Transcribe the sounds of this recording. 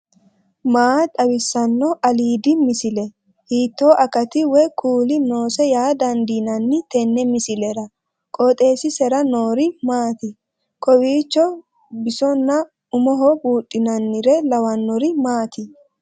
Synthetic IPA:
maːt̪ʼɐwɪsːɐnːɔʔɐliːd̪ɪmɪsɪlɛ | hiːt̪ːoːʔɐkɐt̪ɪwɛkʰuːlɪno̞ːsɛjaːd̪ɐnd̪iːnɐnːɪt̪ɛnːɛmɪsɪlɛɾɐ | kʼɔt̪ʼe̞ːsɪsɛɾɐnoːɾɪmaːt̪ɪ | kʰɔwiːt͡ʃːɔ | bɪsɔnːɐ | ʊmɔɦɔbuːtʼːɪnɐnːɪɾɛlɐwɐnːɔɾɪmaːt̪ɪ

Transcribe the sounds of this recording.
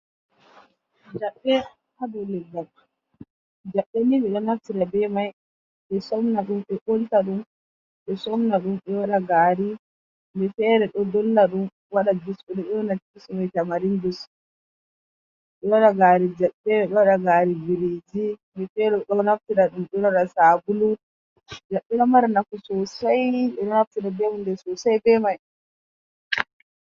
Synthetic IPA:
d͡ʒaɓːɛ | hadɔlːɛdak | d͡ʒaɓːɛnimɛɗɔnaftiɾabɛmaj | ɓɛsɔmnaɗumɛʔoltaɗum | ɓɛsɔmnaɗumɓɛwaɗaɡaːɾi | mbɛfɛːɾɛɗɔdɔlːaɗum | waɗad͡ʒusɔɗɛɗɛɔnatːismajtamaɾindus | ɗɛwaɗaɡaɾid͡ʒaɓːɛɾɛɗɔwaɗaɡaːɾiviɾid͡ʒimɛfɛɾɛɗɔnaftiɗaɗumɗɛaɗasaːbulu | d͡ʒaɓːiɗamaɾnakusɔsajɓɛɗɔnaftiɗabɛmundɛsɔsajbɛmaj

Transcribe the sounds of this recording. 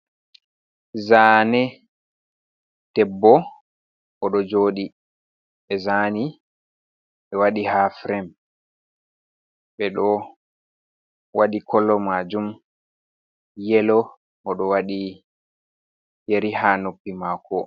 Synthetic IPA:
zaːnɛ | d̥ɛbːɔ | ʔɔɗɔd͡ʒoːɗi | ɓɛzani | ɓɛwaɗihafɾɛm | ɓɛɗɔ | waɗikɔlːɔmad͡ʒum | jɛlɔ | ʔɔɗɔwaɗi | jeɾihanopːimakʰɔ

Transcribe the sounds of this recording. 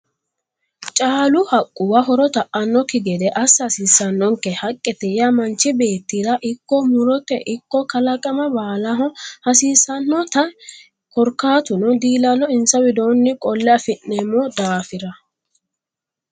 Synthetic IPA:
t͡ʃʼaːlʊhɐkʼːʊwɐɦɔɾɔt̪ɐʔʔɐnːɔkɪɡɛd̪ɛʔɐshɐsiːsːɐnːɔŋkɛhɐkʼːɛt̪ɛjɐmɐnt͡ʃːɪbe̞ːt̪ːiɾɐʔɪkːɔmʊɾɔt̪ːɛ̰ʔɪkːɔkɐlɐkʼɐmɐbaːlɐɦɔhɐsiːsɐnːɔt̪ɐ | kɔɾkaːt̪ʊnɔd̪iːlɐlɔɪnsɐwɪd̪o̞ːnːɪkʼɔlːɛɐfɪnːeːmːɔd̪aːfɪɾɐ

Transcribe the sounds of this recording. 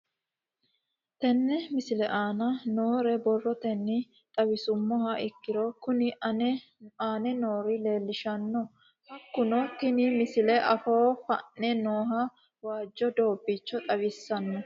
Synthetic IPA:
t̪ɛnːɛmɪsɪlɛʔaːnɐnoːɾɛbɔrːɔt̪ɛnːɪ | t̪ʼɐwɪsʊmːɔhɐʔɪkːɪɾokʊnɪ | aːnɛnoːɾɪle̞ːlːɪʃɐnːɔ | hɐkːʊnɔt̪ɪnɪmɪsɪlɛʔɐfoːfɐ̰nnɛnoːɦɐ | waːd͡ʒːɔd̪o̞ːbːɪt͡ʃːɔt̪ʼɐwɪsːɐnːɔ

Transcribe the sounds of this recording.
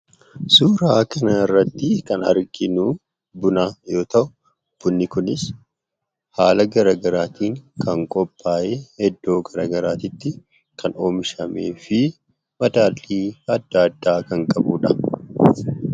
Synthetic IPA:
suːɾaːkɐnɐɪrːɐt̪ːɪkɐnɐ̰ɾɡɪnuː | bʊnaːjo̞ːt̪ɐʔʊ | b̥ʊnːɪkʊnɪs | haːlɐɡɐɾaːɡɐɾaːt̪ʰiːŋkɐŋkʼɔpʼːaːʔeːhɛd̪ːo̞ːɡɐɾaːɡɐɾaːt̪ɪt̪ːɪ | kʰɐno̞ːmɪʃɐmḛːfɪ | mɐd̪aːlːiːɐd̪ːaːd̪ːaːkɐŋkʼɐbuːᶑɐ

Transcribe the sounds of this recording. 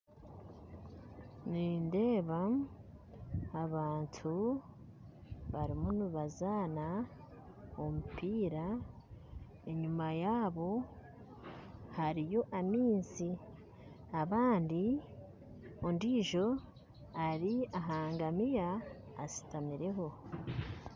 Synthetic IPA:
niːnde̞ːβa | aβaːntʰu | βaɾimunuβazaːna | omupiːɾa | e̞ɲumajaːβo̞ | haɾijo̞ʔamiːnzi | aβaːndi | ondiʒo̞ | aɾiaɦaːŋɡamijaː | si̥tamiɾe̞ɦo̞

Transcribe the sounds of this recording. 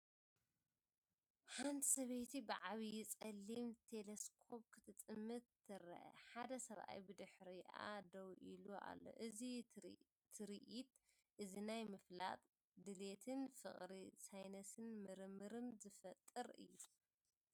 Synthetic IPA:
ħant̪ʰi̥sɐβet̪ʰibɨʕaβijɪt͡sʼɐlːimt̪ʰe̞leskʰo̞p̚kʰɨt̪ʰɨt̪ʼɨmːɨt̪ː | ɨɾɐ̰ʔɐ̰ħad̪ɐsɐβʔa̰jbɨd̪ɨħɾiʔa̰d̪ɐwʔiluʔa̰lːo̞̰ʔɨzi | t̪ʰɨɾiʔit̪ | ʔɨzinajmɨfla̰t̪ʼ | d̪ɨle̞t̪ʰɨnfɨχʼɾisajnɐsɨnmɨɾɨmːɨɾɨmzɨfɐt̪ʼːɨɾʔɨ̰jːu

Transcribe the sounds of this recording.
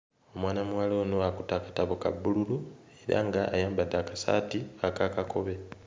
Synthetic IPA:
o̞mwaːnamuwaloːnoakutakḁtaβoka̰bːululu | e̞ɾa̰ŋɡa̰ːjaːmbad̪ːaːkasa̰tiakaːkako̞βe̞

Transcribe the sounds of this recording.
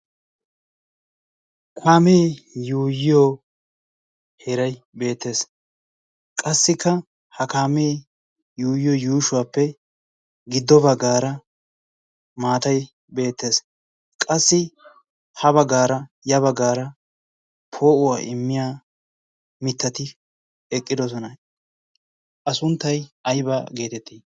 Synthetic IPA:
kʰaːmeːjuːjɪjoː | hɛɾɐj | be̞ːt̪ːe̞ːs | kʼɐsːɪkːɐ | hɐkaːmeː | juːjɪjoːjuːʃʊwaːpːɛ | ɡɪd̪ːɔbɐɡaːɾɐ | maːt̪ɐj | be̞ːt̪ːe̞ːs | kʼɐsːɪ | hɐbɐɡaːɾɐ | jɐβɐɡaːɾɐ | pʰo̞ːʔʊwa̰ːʔɪmːɪjaː | mɪt̪ːɐt̪ɪ | ɛkʼːɪd̪ɔs̬ɔnɐ | ʔɐsʊnt̪ːɐjɐjbaɡe̞ːt̪ɛt̪ʰːiː

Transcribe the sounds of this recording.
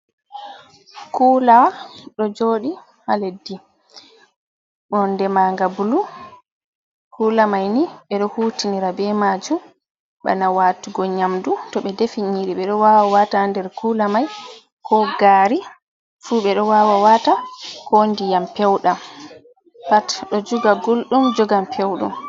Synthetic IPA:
kuːlaɗɔd͡ʒoːɗi | haledːi | ɗɔndɛmaŋɡabulu | kuːlamajniɓɛɗɔhutiniɾabɛmaːd͡ʒum | ɓa̰nawaːtuɡɔɲamdutɔɓɛdefiɲiɾiɓɛɗɔwaːwawataːndɛɾkulamaj | kʰɔɡaːɾi | fuɓɛɗɔwaːwawatakʰɔndijampɛwɗam | patɗɔd͡ʒuɡaɡulɗumd͡ʒɔɡampʰewɗṵm

